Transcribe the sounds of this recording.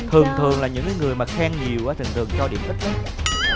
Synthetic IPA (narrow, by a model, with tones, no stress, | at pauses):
t̪ʰɨ˨˩əŋt̪ʰɨ˨˩əŋlaː˨˩ɲɨ̰˧˥ŋkaː˨˦ŋɨ˨˩əjmaː˨˩xaː˧ŋɲi˨˩əwʔaː˨˦t̪ʰɨ˨˩ŋt̪ɨ˨˩ə˩ŋt͡ɕɔ˧ɗḭ˧˦əmʔə˦˥k̚ɲa˦˥t̚